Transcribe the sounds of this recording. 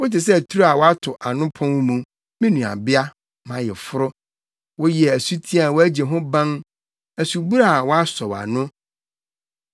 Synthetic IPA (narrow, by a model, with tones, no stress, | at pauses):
wʊ˦tɪ˨s̬ɛ˦æ˨tʰu˦ɾu˦a˨wɔ˦a˦tʰʊ˨ʔa˨nʊ̃˦pʰɔ̃˦nwmũ˨ | mĩ˦nũ˨a̰˨bɪ˦a˦ | mã˨˦jɛ˨fʊ˦ɾʊ˦ | wɔ˦ji˨ɛ˨æ˨su˦tʰi˦a˨wɔ˦æ˦d͡ʑɛ˨ɦʊ̃˦bã˦n | æ˨su˨bu˦ɾa˦˨wɔ˦a˦sɔ˨wa̰˨nʊ̃˦